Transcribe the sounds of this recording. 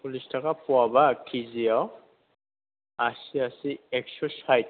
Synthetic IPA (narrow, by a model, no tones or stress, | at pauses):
pulistʰakapʊabakʰiziaw | asiasiɛkʃɔsajt